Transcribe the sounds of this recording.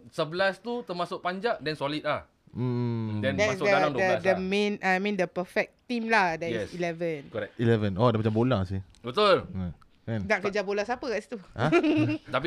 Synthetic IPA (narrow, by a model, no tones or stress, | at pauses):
səbəlast̪ut̪əmasʊk̚paɲd͡ʒaʔdɛnsolit̪̚lah | m̩dɛ̃ndɛtmasdəaaŋdodəsdəmẽnʔajmĩndəpəfɛk̚t̪ĩmlahdɛɛsilɛvə̃nkɔɾɛkilɛvənɔdɛmat͡ʃambolasi | bət̪ulə | kannaʔkəd͡ʒabolasapəkaʔsi̥t̪uat̪api